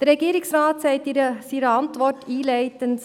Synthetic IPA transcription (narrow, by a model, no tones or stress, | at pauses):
d̥əɾɾɛɡiːɾɪksɾɑːtsɛɪtiɾəsiːɾəɑntʋɔtiːlæɪtən